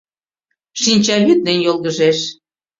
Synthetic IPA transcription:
ʃinʲt͡ɕɑlyt̪̚nenjolɣəʒeʃ

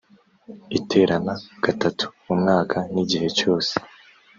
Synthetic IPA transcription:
itʰe̞ːɾanaɡ̥atatʰu̥mumŋaːkʰaniɟihe̞t͡ʃo̞ːse̥

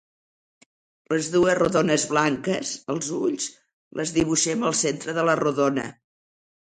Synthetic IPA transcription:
ləzðuəzruðonəzβlaŋkəsəlˠzuʎs | lʔəzðiβ̞uʃɛməlˠsent̪ɾəðələruðonə̰

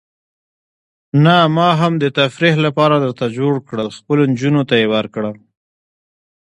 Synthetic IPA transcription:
namɑɦamd̪ət̪afɾihlapɑɾad̪əɾt̪ad͡ʒoɽkɽəlxpəlond͡ʒunot̪ajewaɾkɽa

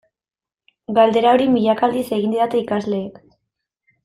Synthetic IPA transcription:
ɡald̪e̞ɾaoɾimiʎakald̪ise̞ɣind̪iðat̪eikazle̞ːk

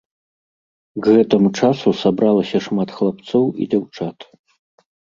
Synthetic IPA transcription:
ɡɣɛt̪ɐmut͡ʂasusabɾalˠɐsʲɐʂmat̪xlˠapt̪sɔwḭd͡zʲawt͡ʂat̪

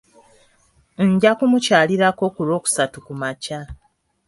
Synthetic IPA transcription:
ɲɟakumucaːliɾako̞kuɾo̞ːku̥satukumaca

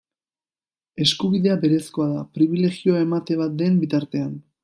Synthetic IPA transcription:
e̞skuβiðe̞abe̞ɾe̞sko̞aðapɾiβ̞ile̞ɣio̞ae̞mat̪e̞βat̪̚d̪e̞mbit̪aɾt̪e̞an

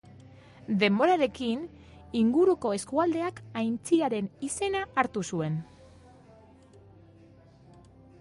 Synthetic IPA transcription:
d̪e̞mbo̞ɾaɾe̞kin | iŋɡuɾuko̞e̞skuald̪e̞akajnt͡siɾaɾe̞nise̞naːɾt̪usue̞n

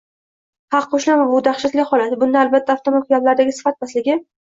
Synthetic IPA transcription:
hɑqʰːoʃlambʊd̪aχʃat̪lʲɪχɒlat̪ɪbʊnd̪aalbat̪ʰːaft̪ʰomat̪kʰɡʲaplaɾɪd̪aɡʲɪsɪ̥fat̪̚maslɪɡʲɪ

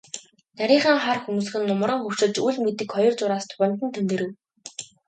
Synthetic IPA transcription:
næɾʲiːχaːŋχarxumŭs̆xɘ̆nːʊm̆ɾə̆ŋxɵw̥ʃɘ̆t͡ɕujɮmet̪ɘ̆kχɔjɞ̆rt͡sʊɾaːst̪ʰʊ̥ʁə̆m̥t̪ɘ̆nt̪ʰemt̪ɘ̆ɾɘ̆w

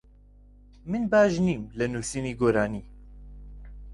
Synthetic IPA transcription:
mɨnbaːʒniːmlɨnuːsiniɡoːɾaːniː

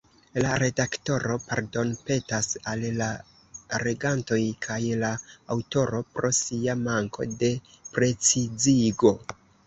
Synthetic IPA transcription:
laɾe̞dakto̞ɾo̞pa̰ɾdo̞npe̞tasalla | ɾe̞ɡanto̞jkʰajla̰ːwto̞ɾo̞pɾo̞siamaŋkʰo̞̰de̞ | pɾe̞t͡sid͡ziɡo̞

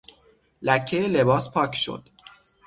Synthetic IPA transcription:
læcʰːejele̞bɒːspʰɒːcʰʃo̰d̪̥

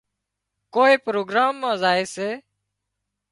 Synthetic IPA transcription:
koːeːpɾoːɡɾaːmːãːzaːeːseː

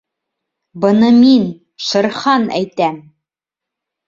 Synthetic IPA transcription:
bɤ̆nɤmin | ʃɤ̆ɾχɑnæ̰jt̪æm

